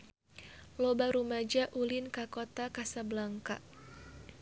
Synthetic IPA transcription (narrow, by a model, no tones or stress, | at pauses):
lɔbaɾumad͡ʒaʔulɪnkakot̪akasablaŋka̰ʔ